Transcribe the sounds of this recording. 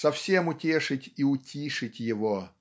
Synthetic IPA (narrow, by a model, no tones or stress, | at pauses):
sɐfsʲemʊtʲe̞ʂɨtʲiʊtʲiʂɨtʲjɪvo